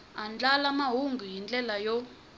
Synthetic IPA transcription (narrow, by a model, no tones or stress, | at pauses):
and͡ɮalamaɦuŋɡʱijind͡ɮɛlajɔ